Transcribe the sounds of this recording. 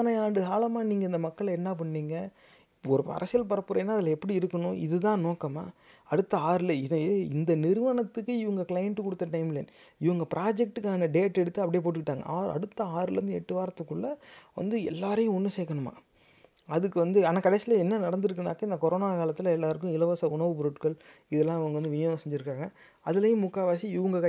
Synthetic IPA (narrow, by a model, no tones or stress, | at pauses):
ɐnɐjaːɖɯɦaːlɐmaːniːŋɡɐɪnd̪ɐmɐkːɐɭɛnːap̬ɐɳːiːŋɡɐ | ɔɾɯɐ̰ɾʔɐsɪjɐlpɐɾɐpːɯɾɐjnːaːɐðɪlɐɛpːɐɽiɪɾɯkːɐɳʊ̃ʔɪ̰ðɯt̪ãːnoːkːɐma̰ː | ɐɽɯt̪ːɐaːɾɪlɐɪðeɪnd̪ɐnɪɾɯʋɐɳɐt̪ːɯkːɯɪʋɐŋɡɐklɐjɐɳʈkɔɽɯt̪ːɐʈɐɪmɪlɛ̰nɪʋɐŋɡɐpɪɾʔaːd͡ʒɛk̚ʈɯkːaːnɐɖeːʈːɛɽɯt̪ːɯɐpɐɽɪjeːp̬oːʈːɯkɪʈːaːŋɡɐ̰aːɾɐ̰ɽɯt̪ːɐaːɾɯlɛɾɯnd̪ɯɛʈːɯʋaːɾɐt̪ːɯkːɯɭːɐʋɐ̰nd̪ɯɛlːaːɾɐjʊ̃ɔnːɯseːkːɐɳɯma̰ː | ɐðɯkːɯʋɐnd̪ɯɐnaːkɐɽɛsɪlɐɛnːɐnɐɽɐnd̪ɪɾɯkːɐna̰ːkːɐɪnd̪ɐkɔɾoːnaːkaːlɐt̪ːɪlɐɛlːaːɾɯk̬ːʊ̃ɪlɐʋɐsɐʊɳɐʋɯpɾoʈkɐɭɪðɛlːãːɪʋɐŋɡɐʋɐnd̪ɯʋɪnjɐːsɛɲd͡ʒɪɾɯkːaːŋɡɐ | ɐðɯlɐjɯ̃mːʊkːaːʋaːsiɪʋɐŋɡɐkɐ